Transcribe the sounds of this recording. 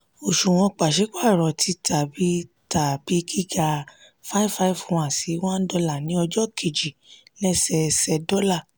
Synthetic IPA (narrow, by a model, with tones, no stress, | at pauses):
o˨ʃu˨w̃ɔ̃˧k͡pa˨ʃe˨˦k͡pa˦˨ɾɔ˨tʰi˧tʰa˨bi˨˦ | ta˨b̥i˦ɡi˦ɡa˧ | fa˦i˦fa˦i˦˨ṽã˨si˨˦wã˦n̩˦dɔ˧la˨nĩ˨˦ɔ˧d͡ʒɔ˦kʰe˨d͡ʒi˨lɛ˦sɛ˧sɛ˧dɔ˦la˦˨